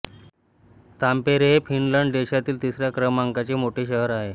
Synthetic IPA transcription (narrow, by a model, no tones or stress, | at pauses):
t̪ampeɾefinləɳɖɖeɕat̪iːlt̪isɾjakɾəmaŋkat͡ɕemoʈeːɕəɦəɾaɦe